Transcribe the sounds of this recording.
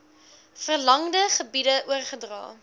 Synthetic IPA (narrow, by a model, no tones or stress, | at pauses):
fərlɐŋdəχəbidəʔuərχədrɑ̰ː